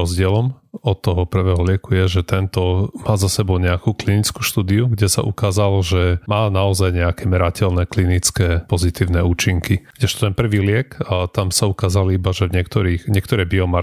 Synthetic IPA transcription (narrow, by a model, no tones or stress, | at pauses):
ɔzɟɪɛlɔmɔt̪̚ːɔɦɔpr̩ʋɛːɦɔlɪɛkujɛʒɛt̪ɛnt̪ɔmaːzasɛbɔʊɲɛakuːklinit͡skuːʃt̪uːd̪iuɡɟɛsa̰ʔukaːzalʒɛmaːnaɔzajɲɛakɛmɛɾacɛlnɛklinit͡skɛːpɔzit̪iːʊnɛuːt͡ʃiŋkiɡ̥dɟɛʃt̪t̪ɛnpr̩ʋiːlɪɛkt̪amsaukaːzalibaʒɛvɲɪɛk̚t̪ɔɾiːxɲɛkt̪ɔɾɛbiɔma